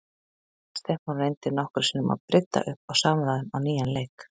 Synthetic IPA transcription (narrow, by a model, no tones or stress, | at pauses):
st̪ɛhkmanrejnt̪ɪɾnɔhkʏɾ̥sɪnʏma̰ðpɾʔɪt̪ːa̰ʔʏhpawsaːmɛðaðɪnawniːjanlejk